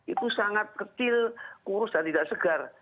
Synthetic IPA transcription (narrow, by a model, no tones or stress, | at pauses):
it̪usaŋat̪̚kət͡ʃɪlkuɾʊsdat̪idaʔsəɡar